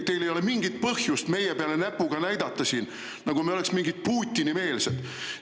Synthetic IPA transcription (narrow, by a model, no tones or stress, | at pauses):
t̪e̞jlejo̞le̞miŋɡit̪̚pɤhjust̪me̞jepeɑle̞næpːˑuɡ̥ɑnæjd̪̥ɑt̪ːˑɑsiːn | nɑɡ̥umeole̞ksmiŋɡid̪̚puːt̪ʲːˑinime̞ːlsed̪̥